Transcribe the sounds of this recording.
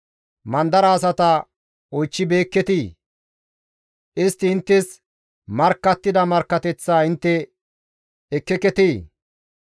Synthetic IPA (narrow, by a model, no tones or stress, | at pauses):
mɐnd̪ɐɾɐːsɐt̪ɐ | ɔjt͡ʃːɪbe̞ːkːɛt̪iː | ʔɪst̪ːɪɪnt̪ːɪs | mɐɾkːɐt̪ːɪd̪ɐmɐɾkːɐt̪ɛt͡sːaːɪnt̪ːɛ | ɛkːɛkɛt̪iː